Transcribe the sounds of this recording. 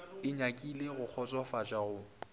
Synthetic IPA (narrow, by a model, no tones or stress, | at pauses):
ɪɲakʼileɣʊk͡xʰɔt͡sʼwafat͡ʃʼaɣʊ